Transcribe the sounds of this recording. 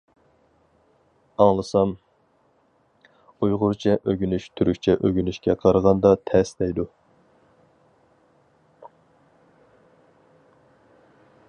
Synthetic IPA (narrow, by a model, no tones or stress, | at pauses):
ɑŋlˠɨsɑm | ujʁʊɾt͡ʃʰɛʔøɡʲynyʃt̪ʰyɾykʲt͡ʃʰɛʔøɡʲynyʃkʲɛqʰɑɾʁɑnd̪ɑt̪ʰɛsd̪ɛjd̪u